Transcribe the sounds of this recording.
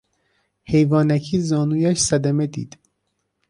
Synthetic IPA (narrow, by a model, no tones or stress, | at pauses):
he̞jvɒːnæcʰiːzɒːnuːjæʃsæd̪æmed̪ḭːd̪̥